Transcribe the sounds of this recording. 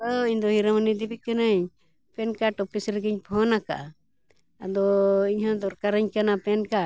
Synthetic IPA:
ɔiɲd̪ɔɦiɾamanid̪ibikənəɲ | pɛnkaʈɔpʰisɾəɡiɲpʰɔnaka̰ʔa | ad̪ɔiɲɦãd̪ɔɾkaɾəɲkanapɛnka

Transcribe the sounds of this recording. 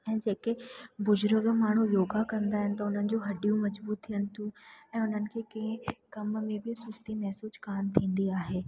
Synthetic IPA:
ɛ̃ːd͡ʑeːkebʊd͡ʑɾəɡmaːɳ̤ujoːɡakɐ̃nd̪aːɦɪnɪ̆t̪ɐʊn̤ənɪ̆d͡ʑũːɦɐɖijũmɐd͡ʑbuːt̪ʰːijənɪ̆t̪ʰũɛ̃ːʊn̤ənɪ̆kʰeːkɐ̃ɪ̃kɐmmẽbɪsʊst̪imɛɦsuːskaːmt̪ʰĩːnd̪iaːɦeː

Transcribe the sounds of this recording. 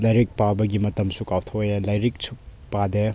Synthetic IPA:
lɐjɾik̚pabɐɡimɐtɐmsukawtʰɐwjalɐjɾik̚suk̚pade

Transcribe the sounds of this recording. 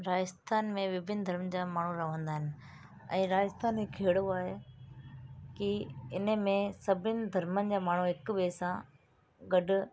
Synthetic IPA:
ɾaːd͡ʑəst̪ʰaːnmẽʋɪbʱɪnd̪ʱɐɾmd͡ʑaːmaːɳ̤uɾɐʋ̤ə̃nd̪aːɦɪnɪ̆ | ɛ̰̃ːɾaːd͡ʑəst̪ʰaːnẽkʰeːɽoaːɦe | kiɪnəmẽsɐbʱɪnɪ̆d̪ʱɐɾmənɪ̆d͡ʑaːmaːɳ̤uɦɪkɓeːsã | ɡɐɖʊ̆

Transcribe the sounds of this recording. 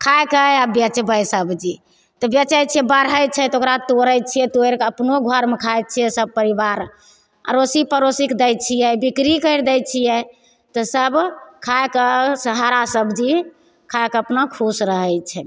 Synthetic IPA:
kʰajkəabjət͡ʃɛbəjsəbd͡ʒi | t̪ɔbjət͡ʃəjt͡ʃʰiɛbəɾɦəjt͡ʃʰɛt̪ɔokɾat̪oɾəjt͡ʃʰijɛt̪oeɾkəpnoɡʱəɾmekʰaj̚t͡ʃʰijɛsəb̚pəɾibaɾ | ə̰ɾosipəɾosikd̪ɛjt͡ʃʰijɛbikɾikəjɾd̪ɛjt͡ʃʰijɛ | t̪ɔsəbkʰajkəsəɦaɾasəbʱd͡ʒi | kʰajkəpnakʰusɾəɦɛjt͡ʃʰɛ

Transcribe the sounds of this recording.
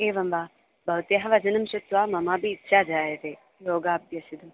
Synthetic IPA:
eːʋɐmʋaː | bʱɐʋt̪eɦɐʋɐd͡ʒɐnɐmʃɐt̪ʋaːmɐmaːbiːtːʃʰaːd͡ʒaːjɐt̪eː | joːɡaːbʱjɐsid̪ɐm

